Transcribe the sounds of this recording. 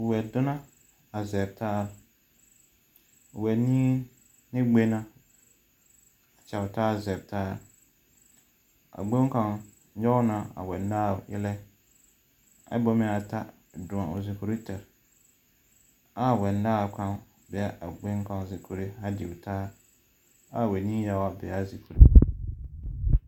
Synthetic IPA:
wɛ˨dʊ˦nã˦ | a˨zɛ˨b̚tʰaː˦ɾ | wɛ˨nĩ˦ | nɪ̃˦ɡ͡be˦nã˦ | a˨t͡ɕɛ˨ʊ˨taː˦˨zɛ˨b̚tʰaː˦ | a̰˨ɡ͡bõ˦ŋ˦kã˨ŋ | ɲɔ˦nã˨a̰˨wɛ˨n˦daː˦˨jɪ̰˦lɛ˦ | a̰˦bɔ˦mɪ̃˨a˨tʰa˦ | dʊ̃˨ã˨o˨zi˨kʰu˨ɾi˦tʰɛ˨ɾ | a˨wɛ̃˨ndaː˦˨kʰã˦n | bɪ˨a˨ʔa˨ɡ͡bʊ̃˦ŋ˦kʰã˨n˨zɪ˨kʰu˨ɾi˦ha˦dɪ˨wtʰaː˦ | a˨wɛ˨nĩː˦ja˨wa˨bɪ˨a˦˨zi˨kʰu˨ɾi˦

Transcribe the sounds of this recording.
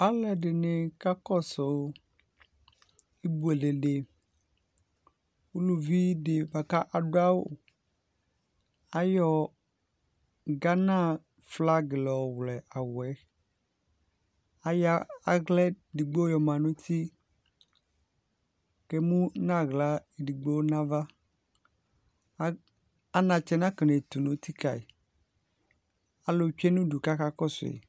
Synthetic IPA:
a˦lɛ˨ɖe˨ne˨ka˦kɔ˦so˨ | i˦bu˨e˨le˨ɖe˨ | wo˦lo˨vi˦ɖe˨ba˨ka˦ʔa˨ɖo˦a˦wo̰˨ | a˦jɔ˦ | ɡa˦nã˦˨ | fla˦ɡlɔ˨wlɛ˨ʔa˨wɛ˨˦ | a˨ja˦a˦˨ɣlɛ˦ | di˨ɡ͡bo˦jɔ˨mã˨nʊ̃˦t̪ʰi˦ | ke˦mũ˦nã˦ɣla˦e˨ɖi˨ɡ͡bo˦nã˦va˦ | a˦nã˨t͡ʃɛ˨nã˦kne˨t̪u˨nũ˦t̪i˦ka˨i˨ | a˨lo˨t͡ʃᶣɛ˦nũ˦ɖu˨ka˦ka˦kɔ˦sʊ̰˨ḛ˨

